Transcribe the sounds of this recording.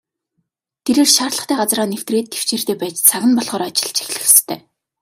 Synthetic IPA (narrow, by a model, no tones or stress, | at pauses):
t̪ʰeɾeːrʃaːrɮə̆χt̪æːɢat͡sraːnew̥t̪reːt̪ʰːe̥w̥t͡ɕeːr̥t̪eːpæːt͡ɕt͡sʰaɣʲɪ̆npɔɮʁχɔːɾɔːt͡ɕɪ̆ɮt͡ɕʰi̥xʲɮɘ̆xst̪ʰæ̰ː